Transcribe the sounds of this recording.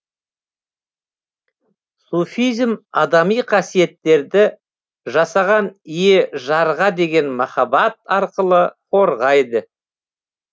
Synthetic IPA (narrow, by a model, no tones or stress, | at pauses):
sufijzmɑd̪ɑmijqʰɑsije̞t̪ːe̞ɾd̪ɪ | ʒɑsɑʁɑnijeʒɑɾʁɑd̪e̞ɡʲe̞nmɑχɑbɑt̪̚ɑɾqəlˠəqʰo̞ɾʁɑjd̪ə